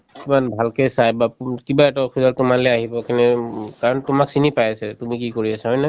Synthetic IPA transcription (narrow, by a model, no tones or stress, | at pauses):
kimanbʱalkɛsajbakibaɛtɔkʰuzɔltʊmalɛaɦibɔkɛnɛkaɹɔntʊmaksinipajasɛtumikikoɹiasaɦɔjnɛ